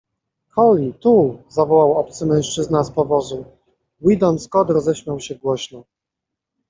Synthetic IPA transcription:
kʰɔlʲit̪uzavɔwawɔp̚t̪sɘmɛ̃w̃ʂt͡ʂɘznaspɔvɔzu | wid̪ɔnskɔt̪ɾɔzɛɕmʲjawɕɛɡwɔɕnɔ

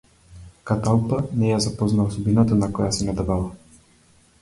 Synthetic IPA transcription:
kat̪alˠpanɛjazapɔznaɔsɔbinat̪anakɔjasɛnad̪abava

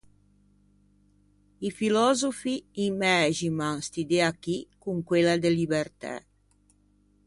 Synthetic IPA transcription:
ifilɔzofiimɛʒimaŋst̪id̪eakikuŋkwelad̪elibeɾt̪a̰

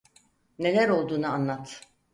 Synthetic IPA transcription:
ne̞lʲæɾo̞lˠd̪uːnuanlˠat̪

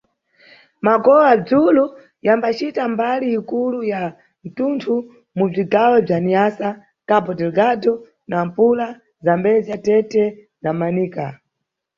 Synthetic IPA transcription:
maɡɔwad͡zulu | jambat͡ʃitambaliikuluja | n̩tuntʰu | mub͡ʐiɡawɛb͡ʐanijasa | kapɔdɛlɡadɔ | nampula | zambɛzijatɛtɛ | namaniːka

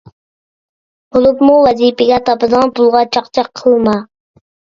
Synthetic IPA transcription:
mʊlˠupmuwɛzipɪɡʲɛt̪ʰɑpɨd̪ɑŋpulˠʁɑt͡ʃʰɑqt͡ʃʰɑqʰːəlˠmɑ

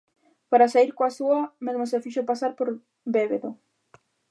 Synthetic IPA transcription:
paɾasaiɾkoasuɐmezmos̬efiʃopasaɾpoɾ | beβeðo

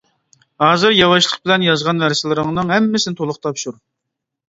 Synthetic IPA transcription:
hɑːzɨɾjɑwɑʃlˠəq̚bɪlɛnjɑzʁɑnvæɾsɪlˠɨɾɨŋnɨŋɦɛmːɪsɪnɪt̪ʰolˠʊqt̪ʰɑpʃuɾ

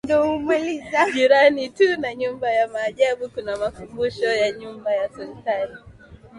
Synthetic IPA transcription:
ndɔumalizaʄiɾanitunaɲumbajamaːʄaɓukunamakumbuʃɔjaɲumbajasultali

